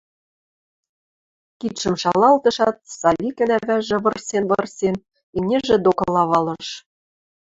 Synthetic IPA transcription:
kit̪ʃɘ̆mʃɑlɑlt̪ɤ̆ʃɑt̪̚sɑlʲikɘ̆næβæʒĕβɤ̆rsʲenβɤ̆rsʲen | imnʲeʒĕd̪okɤ̆lɑβɑlɤ̆ʃ

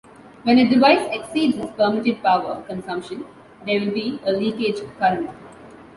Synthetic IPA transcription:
ʋɛ̃nəɖɪʋaɪseksiːɖzɪspəɾmɪʈɪɖ̚paʊʋə̰kə̃nsʌ̃mpʃə̃n | d̪eːʋɪlbiːəliːkeːd͡ʒkʌɾə̃n

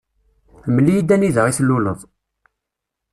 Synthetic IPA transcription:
lməlːijid̪æniðəʁiθlːuləðˤ

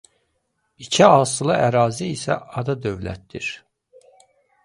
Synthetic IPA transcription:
icʰiɑsɯlˠɑʔæɾɑːziːsæ̰ɑd̪ɑd̪øvlæ̰t̪̚d̪̥ḭɾ

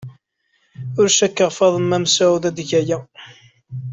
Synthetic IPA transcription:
ʊɾʃækːəʁfɑðˤəmːæmsæwðæðʝæjæ

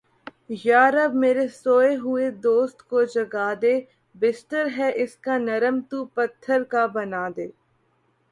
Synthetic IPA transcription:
jaːɾɐbmeːɾesoːeɦʊed̪oːst̪kod͡ʒɐɡaːd̪eː | bɪsʈəɾɦɛʔɪskanɐɾəmt̪upɐt̪ʰːəɾkabɐnaːd̪eː

